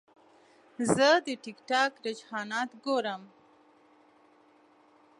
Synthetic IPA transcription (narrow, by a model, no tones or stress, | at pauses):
zəd̪əʈɪkʈɑkɾɪd͡ʒhɑnɑt̪ɡoɾəm